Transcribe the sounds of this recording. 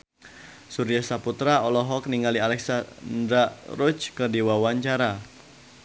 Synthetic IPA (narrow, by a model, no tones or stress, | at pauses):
suɾijasaput̪ɾaɔlɔɦɔk̚niŋalialɛksand̪ɾaɾut͡ʃkərdiwawaɲt͡ʃaɾa